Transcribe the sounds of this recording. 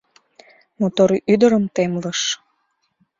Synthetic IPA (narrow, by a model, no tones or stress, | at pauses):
mot̪oɾiʔyd̪əɾəmt̪emləʃ